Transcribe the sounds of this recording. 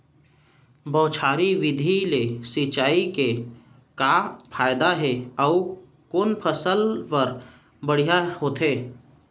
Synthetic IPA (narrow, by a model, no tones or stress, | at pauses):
bɔːt͡ʃʰaːɾiʋɪd̪ʱilesɪt͡ʃaːike | kapʰaːjd̪aɦeɔʊ | konpʰəsəlpəɾ | bəɽ̤ijahoːt̪ɦeː